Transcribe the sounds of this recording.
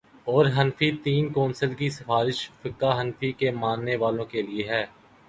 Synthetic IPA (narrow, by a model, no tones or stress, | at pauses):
ɔːɾɦɐnfit̪iːnkɔ̃ːnsəlkisɪfaːɾɪʃfɪkːaɦɐnfikemãːnːeʋaːlõkelieɦɛː